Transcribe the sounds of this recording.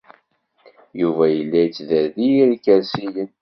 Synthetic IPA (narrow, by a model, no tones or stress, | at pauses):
juvæjəlːæjət͡sːðæðijiɾkəɾsijən